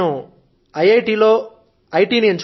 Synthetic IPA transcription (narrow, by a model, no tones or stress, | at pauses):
u | ɐjɐjʈiːloː | ɐjʈiːnieɲt͡ʃ